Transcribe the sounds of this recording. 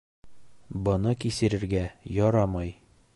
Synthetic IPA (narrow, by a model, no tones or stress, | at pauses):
bɤ̆nɤkisɘ̆ɾɘ̆ɾɡæjɒɾɑmɑj